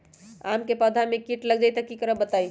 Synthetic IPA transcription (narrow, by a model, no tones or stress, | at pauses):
amkepəd̪ʱamekiʈləɡd͡ʒajt̪əkikəɾəbət̪aj